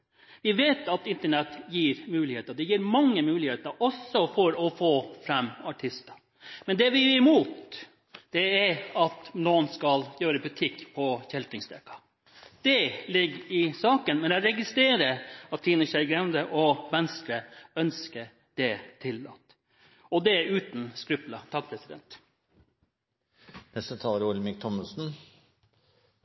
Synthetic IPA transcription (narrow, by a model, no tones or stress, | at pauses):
ʋɪʋeːt̪ɑt̪ɪnt̪əɳɛt̪jiːɾmʉːlɪheːt̪əd̪ɛjiːɾmɑŋːəmʉːlɪheːt̪əɾɔsːɔfɔɾɔfoːfɾɛmːɑʈʰɪst̪ə | mɛnd̪ɛʋɪɪmuːt̪ | d̪̥ɛæɾɑt̪noːnskɑljøːɾəbʉt̪ʰɪkːpʰɔçɛlt̪ɪŋsd̪ɛkːɑ̥ | d̪̥ɛlɪɡːɪsɑːkənmɛnæɾɛɡɪst̪ɾeːɾəɑt̪siːnəʃæɾɡɾɛmnd̪əʔɔʋɛnskɾəœnskə | d̪̥ɛt̪ʰɪlːɑ̰t̪ː | ɔd̪ɛʉːt̪n̩skɾʉplɑt̪ʰɑk̚ːpʰɾɛsɪd̪ɛ̰nt̪ | nɛst̪ət̪ʰɑːləɾʊlmɪk̚t̪ʰɔməsn̩